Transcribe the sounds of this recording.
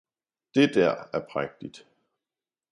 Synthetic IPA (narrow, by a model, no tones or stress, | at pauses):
d̥e̝d̥æɐ̰æɐpʰʁaɡ̥̚d̥id̥